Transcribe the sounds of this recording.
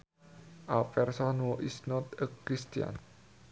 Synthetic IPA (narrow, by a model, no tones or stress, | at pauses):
ʔalpɛrsɔnwoʔisnɔt̪əkɾist̪ia̰n